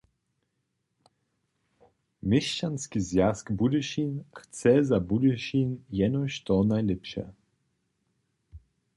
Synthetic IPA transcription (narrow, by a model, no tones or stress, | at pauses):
mɪʃt͡ʃanskizjaskbud̪uʃinxt͡sɛzabud̪ɛʃinjɛnɔʃt̪ɔnajlɛpʃɛ̰